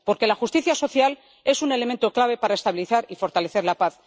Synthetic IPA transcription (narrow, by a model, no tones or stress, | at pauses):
po̞ɾke̞laxust̪iθjaso̞θjal | e̞sune̞lement̪o̞klaβe̞paɾae̞st̪aβiliθaɾifo̞ɾt̪aleθe̞ɾlapaθ